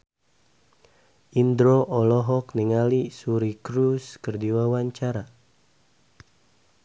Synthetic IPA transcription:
ʔind̪ɾoʔɔlɔɦɔk̚niŋalisuɾikɾuskərdiwawaɲt͡ʃaɾa

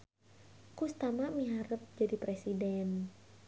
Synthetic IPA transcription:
kust̪amamiɦaɾəp̚d͡ʒadipɾesidɛn

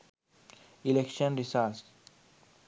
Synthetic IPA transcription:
ilekʃə̃nɾisals

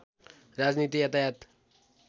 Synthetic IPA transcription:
ɾad͡ʒnit̪iɦət̪ajat̪

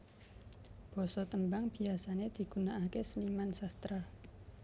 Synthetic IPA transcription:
b̥ɔ̤sɔt̪əmbaŋb̥i̤asaned̪̥i̤ɡ̥unaːkesəlimansast̪ɾa

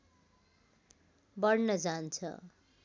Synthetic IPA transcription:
bʌɽnʌd͡zant͡sʰʌ̰

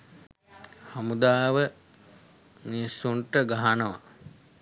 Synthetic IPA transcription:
hamud̪aːʋə | nisuɳʈəɡaɦanəʋa̰

